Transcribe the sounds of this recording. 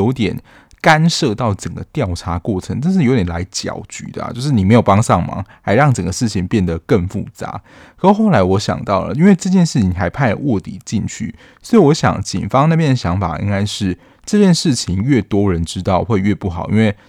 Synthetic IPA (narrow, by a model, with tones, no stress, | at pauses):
o˧˥ʊt̪jɛ˨˩n | ka˦˥nʂɤ˥˧t̪ɑ˥˩ʊʈ͡ʂə˨˩nɡə˦t̪jɑ˥˩ʊʈ͡ʂʰa˧˥kwɔ˥˩ʈ͡ʂʰɤ˧˥˦ŋʈ͡ʂnʂ̬ɻ̩˥˩jo˧˥jɛ˨˩nla˧˥ɪt͡ɕjɑ̰˨˩ʊt͡ɕy̰˨˩d̪ə̰˦˩˦t͡ɕjo˥˧ʊʂɻ̩˥˩ni˨˩e˧˥jo˨˩ʊpɑ˥ŋsɑ˥˩ŋmɑ̰˩˦ŋha˧˥ɪɻɑ˥˩ŋʈ͡ʂə˨˩nɡə˩˦ʂɻ̩˥˩t͡ɕʰi˨ŋpjɛ˥˩nd̪ə˩kə˥˧ŋfṵ˥˩t͡sa̰˧˩˦ | kxo˥˩la˧˥ɪwɔ˧˥ɕjɑ̰˨˩ŋt̪ɑ˥˩ʊlə̰˩i˥nwe˥˧ɪʈ͡ʂɤ˥˧t͡ɕjɛ˥˧nʂɻ̩˥˩t͡ɕʰi˩˨˥ŋxa˧˥ɪpʰa˥˩ɪlə̰˩wɔ˥˩t̪i˨˩t͡ɕi˥˧nt͡ɕʰy̰˥˩ | swɔ˧˥i˨wɔ˧˥ɕjɑ̰˨˩˦ŋt͡ɕḭ˨˩fɑ˥ŋna˥˧˩pj̪ə˩ɕjɑ˧˥ŋfa̰˨˩ʔḭ˥ŋka˥ɪʂɻ̩˥˩ | ʈ͡ʂɤ˥˧t͡ɕjɛ˥˧nʂɻ̩˥˩t͡ɕʰi˧˥ŋɥɛ˥˩t̪wɔ˥ɻə˧˦nʈ͡ʂɻ̩˥t̪ɑ˥˩ʊxwe˥˧ɪɥɛ˥˧pu˥˩xɑ˨˩˦ʊʔḭ˥nwe˥˩ɪ